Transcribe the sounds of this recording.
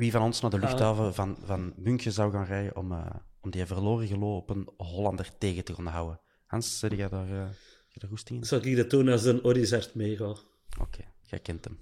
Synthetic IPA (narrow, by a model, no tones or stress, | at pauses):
ʋivɑnɔnsnaːdəlʏxtɑːvəvɑnvɑnmʏŋkəzawɣaːnrɛjə̰ʔɔ̰mə̰ːɔmdiɛvərloːrəɣəloːɔpənɦɔlɑndərteːɣətəkɔnəɦawə | hɑnsədəɣɛdaːr | ɣ̥ɛdaːrɦustɪŋɪnzɔlkidətːuːnazənoɾizɛrtmeːɣo | o̰kʰeːɣɛ̰jkɛntəm